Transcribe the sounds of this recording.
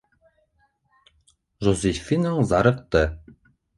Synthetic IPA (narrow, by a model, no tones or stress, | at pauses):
ʒozʲefʲinoɴzɑɾɤ̆q̚t̪ɤ